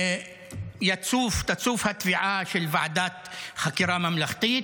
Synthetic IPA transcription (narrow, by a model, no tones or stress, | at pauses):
jat͡suft̪at͡suːfhat̪viʕaʃelvaʕad̪aːt̪xakiɾamamlaχt̪it̪